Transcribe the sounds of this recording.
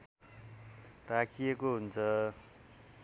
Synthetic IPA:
rakʰijekoɦunt͡sʰʌ

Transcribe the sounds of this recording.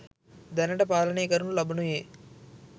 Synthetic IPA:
d̪ɐnɐʈɐpaːlɐneːkɐɾunulɐbunujeː

